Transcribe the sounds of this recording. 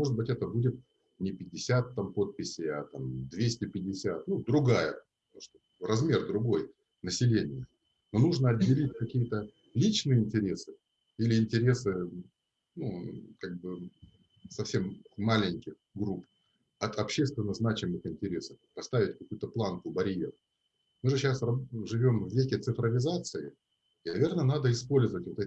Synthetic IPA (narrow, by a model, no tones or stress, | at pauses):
mo̞ʐɨd̪̚bɨtʲɛt̪əbudʲɪt̪̚ | nʲɪpʲɪdʲːɪsʲat̪ːampo̞t̪̚pʲɪsʲɪjɐt̪amd̪vʲesʲtʲɪpʲɪdʲːɪsʲat̪̚nud̪ɾʊɡajə | ʂt̪o | rɐzmʲe̞rd̪ɾʊɡo̞j | nəsʲɪlʲenʲɪjə | nonuʐnəɐdʲdʲːɪlʲitʲkɐkʲijət̪ə | lʲit͡ɕnɨjəɪnʲtʲɪɾʲe̞sɨ̥ | ilʲɪɪnʲtʲɪɾʲe̞sɨ | nukaɡ̚bɨ | sɐfsʲe̞mːalʲɪnʲkʲɪx | ɡɾup | ɐt̪ɐpɕːest̪vʲɪnːəznat͡ɕɪmɨxɪnʲtʲɪɾʲe̞səfpɐst̪avʲɪtʲkɐkujʊt̪əplˠankʊbɐɾʲje̞̰r | mɨʐɨɕasrɐʐɨvʲo̞mvvʲekʲɪt̪sɨfɾəvʲɪzat̪sɨɪ | ɪnɐvʲe̞rnənad̪əɪspo̞lʲzəvətʲvot̪ɛ